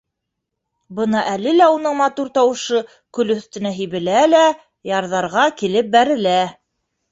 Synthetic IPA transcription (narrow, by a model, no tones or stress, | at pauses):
bɤnɑʔælɘlæunɤɴmɑt̪uɾt̪ɑwɤ̆ʃɤ | kɵ̆lɵ̆θt̪ɘ̆næɦijβɘ̆lælæ | jɑɾðɑɾʁɑkilɘp̚bæɾɘ̆læ